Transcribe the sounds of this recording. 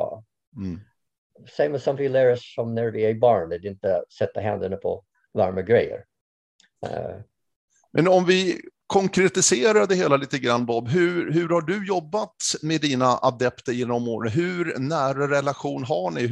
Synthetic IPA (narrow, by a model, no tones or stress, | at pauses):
sẽɪ̃mæzsãmfɪlɛɾəsfɔ̃mnɛɾvɪɛbɑːnd̪ɛd̪ɪɪnt̪əsɛt̪ːaɦæ̰̃nd̪ənəpʰɔ̰ | lɑɾməɡɾɛjːə̰ɾ | mʔɛnɔmvɪkʰɔŋkɾɛt̪ɪseːɾad̪ɛheːlaliːt̪əɡɾanːbɔbɦɵɦɵɾhaɖɵjɔbːat̪meːd̪iːnaʔad̪ɛpt̪əɾjɪnːɔmoːɾənɦɵɾnæːɾaɾɛlaɧuːnɦaɳɪ